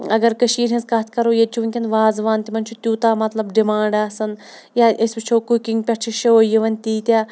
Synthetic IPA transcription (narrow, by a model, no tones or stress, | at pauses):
ɐɡɐɾkəʃiːɾɦʲɐ̃nskɐt̪ʰkɐɾoːjɐt̪̚t͡ʃʰuʋɐnkʲɐnʋaːzʋaːnt̪imɐnt͡ʃʰut̪ʲuːt̪aːmɐt̪lɐbɖimaːɳɖaːsɐn | jaʔɐsbit͡ʃʰoːkukiŋɡpʲɐʈt͡ʃʰiʃɐojiʋɐnʲt̪iːt̪ʲaː